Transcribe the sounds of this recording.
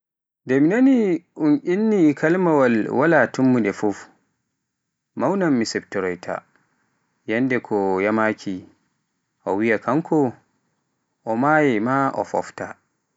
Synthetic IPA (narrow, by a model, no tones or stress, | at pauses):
dɛminaniʔunʔinːikʰalmawalwalatumːudɛfuf | mawnamːisɛp̚tɔɾɔjtʰa̰ | jandɛkʰɔjamakʰi | ʔɔwijakʰaŋkʰɔ | ʔɔmajɛmaʔɔ̰fɔ̰fta